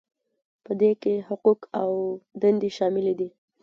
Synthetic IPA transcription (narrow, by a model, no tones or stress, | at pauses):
pəd̪ekehʊqukawd̪and̪eʃɑmɪled̪i